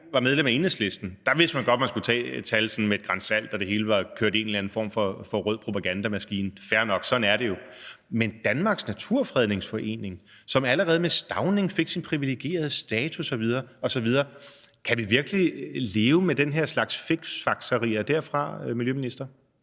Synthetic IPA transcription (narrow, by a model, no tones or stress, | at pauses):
ʋɑ̈með̞ˠlemæe̝ːnesle̝sd̥n̩d̥ɑ̈ʋe̝sd̥mænɡ̥ɒ̽d̥mænskut͡sʰɛ̰̥ːt͡sʰælsɒ̽n̩med̥̚ɡ̥ʁɑ̈nsæl̰d̥ɒ̽d̥e̝ɦe̝ːləʋɑ̈kʰøɐd̥e̝̰ːnlæn̩fɒ̰mfɒ̽fɒ̽ʁœð̰ˠpʰʁo̝pʰæɡ̥ænd̥æmæsɡ̥ḭːnfæɐnɒ̽ɡ̥sɒ̽d̥n̩æɐɾe̝jo̝ | mend̥ænmɑ̈ɡ̥snæt͡sʰuɐ̰fʁɛð̞ˠne̝ŋsfɒ̽ʔe̝̰ːne̝ŋsɒ̽mæləʁɛːð̞̩ˠmesd̥ɑ̈ʊne̝ŋfe̝ɡ̥sinpʰʁiʋileɡ̥e̝̰ːɐð̞̩ˠsd̥ɛːt͡sʰusɒ̽ʋið̞ˠɐːɒ̽sɒ̽ʋið̞ˠɐː | kʰæʋiʋiɐɡ̥lile̝ːʊmed̥enɦeɐ̰slɑ̈ɡ̥sfe̝ɡ̥sfɑ̈ɡ̥sɐʁḭːɐd̥æɐ̰fʁɑ̈miljøminisd̥ɐ